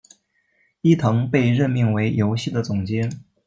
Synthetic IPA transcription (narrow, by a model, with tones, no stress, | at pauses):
i˥˩t̪ʰɤ˧˥ŋpe˥˧ɪɻə˥˧nmi˥˩ŋwe˧˥ɪjo˧˥ʊɕi˥˩d̪ə˩t͡sʊ˨˩ŋt͡ɕjɛ˧˥